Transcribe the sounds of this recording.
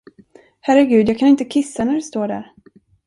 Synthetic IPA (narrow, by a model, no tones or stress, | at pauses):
hæɾəɡʉ̟ːd̪jɑːɡkʰanɪnt̪əkʰɪsːanæɖɛst̪oːɖæ̰ɾ